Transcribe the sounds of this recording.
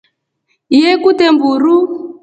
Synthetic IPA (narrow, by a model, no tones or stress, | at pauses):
jɛkutɛmbuɾu